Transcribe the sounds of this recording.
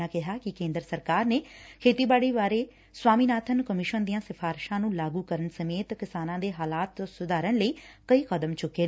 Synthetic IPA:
aːkɪɦaːkɪkẽːnd̪əɾəsəɾkaːɾneːkʰeːt̪iːbaːɽiːʋaːɾeː | swaːmiːnaːt̪ʰənkəmɪʃənd̪ijãːsɪpʰaːɾʃãːnũːlaːɡuːkəɾənsəmeːt̪kɪsaːnãːd̪eːɦaːlaːt̪sʊd̪aːɾənləiːkəiːkəd̪əmt͡ʃʊkːeː

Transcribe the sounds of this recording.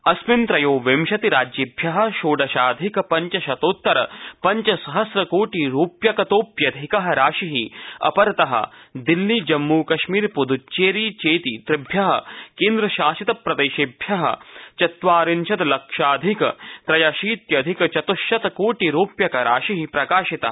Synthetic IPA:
ɐsmɪnt̪ɾɐjoːʋemʃɐt̪iɾaːd͡ʒjibʱjɐɦɐ̆ʃoːɖɐʃaːd̪ʱikpɐɲt͡ʃɐʃɐt̪oːt̪ːɐɾɐpɐɲt͡ʃɐsɐɦɐsɾɐkoːʈiɾuːpjɐkɐt̪oːpjɐd̪ʱikɐɦɐ̆ɾaːʃiɦiɐ̰pɐɾt̪ɐɦɐ̰d̪ilːid͡ʒɐmːuːkɐʃmiːɾpud̪ut͡ʃeːɾiːt͡ʃeːt̪it̪ɾɪbʱjɐɦɐ̰̆keːnd̪ɾɐʃaːʃit̪ɐpɾɐd̪eːʃibʱjɐɦɐ̰̆t͡ʃɐt̪ʋaːɾinʃʰɐt̪lɐkʃaːd̪ʱikt̪ɾɐjaːʃiːt̪jɐd̪ʱikt͡ʃɐt̪uʃjɐt̪ɐkoːʈiɾuːpjɐkɐɾaːʃiɦipɾɐkaːʃit̪ɐɦ

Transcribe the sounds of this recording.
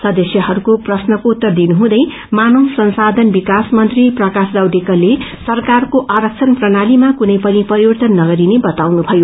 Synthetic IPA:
sʌd̪ʌsjʌɦʌɾukoprʌsnʌkot̪ːʌrd̪inuɦũd̪ʌj | manosʌnsad̪ʱʌnbikasmʌnt̪riprʌkasd̪awd̪ekʌlesʌrkarkoʔaɾʌk̚t͡sʰʌnprʌnalimakunʌjpʌnipʌɾibʌrt̪ʌnːʌɡʌɾinebʌt̪awnubʱʌjo

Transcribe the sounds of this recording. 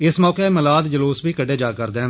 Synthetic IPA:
ɪsmɔːkeːməlaːd̪d͡ʒəloːsbiːkəɖeːd͡ʒaːkəɾd̪ẽː

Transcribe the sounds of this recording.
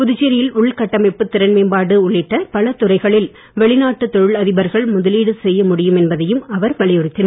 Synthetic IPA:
pʊðʊt͡ʃːɪɾɪjɪlʊɭkɐʈːɐmɐɪpːɯt̪ːɪɾɐnmɐɪmbaːɽɯʊɭːɪʈːɐpɐɭɐt̪ʊrɐɪɣɐɭɪl | ʋɛɭɪnaːʈːɯt̪ːɔɻɯɭɐðɪbɐɾɣɐɭmʊðɐliːɽɯsɛjːɐmʊɽɪjɯmɛnbɐðɐjɯmɐʋɐɾʋɐɭɪjɔɾɯt̪ːɪnɐɾ

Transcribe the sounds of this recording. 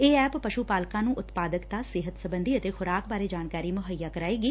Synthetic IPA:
eːɛːpːəʃuːpaːlkãːnũːʔʊt̪paːd̪əkt̪aːsɪɦət̪səbənd̪iːət̪eːxʰʊɾaːkbaːɾeːd͡ʒaːnkaːɾiːmʊɦəjːaːkəɾaːeːɡiː

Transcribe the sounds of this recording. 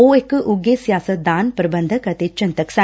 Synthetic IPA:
oekʔuɡesjaːsɐd̪aːnpɾɐbɐnd̪ʱɐkɐt̪et͡ʃɐnt̪ɐksa

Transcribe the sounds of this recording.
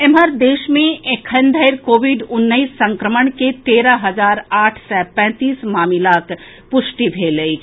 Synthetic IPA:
ɪməɾd̪eːʃmẽʔekʰənd̪ʱəɪɾkoːʋɪɖʊnːəisːɐ̃ŋkɾəməɳ̃ket̪eːɾaɦɐzaːɾaːʈʰsɛpɛ̃ːt̪iːsmaːmɪlaːk | pʊʃʈibʱeːləi

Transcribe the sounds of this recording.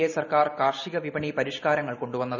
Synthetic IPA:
esɐrkaːrkaːrʂiɣɐʋibɐɳipɐɾiʂkaːɾɐŋːɐɭko̞ɳɖuʋɐnːɐðɨ

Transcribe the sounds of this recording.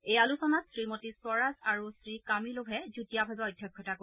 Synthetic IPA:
ejalusɔnatsɹimotisɔɹazaɹusɹikamilobʱɛzutijabʱabɛɔjdʱjɔkʰːjɔtako

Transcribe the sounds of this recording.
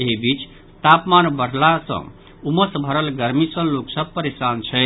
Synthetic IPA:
eɦbit͡ʃ | t̪apmanbəɽ̤ʱlasə̰̃ | uməsbʱəɾəlɡəɾmisə̃loksəb̚pəɾesant͡ʃʰɛ

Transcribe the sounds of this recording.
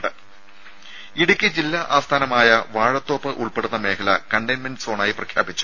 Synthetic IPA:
ɖɨ | iɽukʲːɨd͡ʑilːaʔaːst̪ʰaːnɐmaːjɐʋaːɻɐt̪ːo̞ːpːɨʔuɭpeɽunːɐme̞ːkʰɐlɐkɐɳɖɐnmɐnsoːɳaːjiprɐkʰja̰ːbit͡ɕːu̥

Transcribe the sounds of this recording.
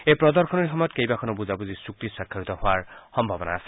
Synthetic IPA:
ejpɹɔd̪ɔɹkʰɔnɔɹixɔmɔjɔt̪kejbakʰɔnɔbuzabuzisuk̚t̪isɹakʰːaɹit̪ɔhoaɹxɔmbʱabɔnaːse̥

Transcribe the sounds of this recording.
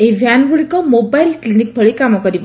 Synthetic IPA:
ebʱjanɡuɭikɔmobajlklinik̚bʱəɭikamɔkɔɾib

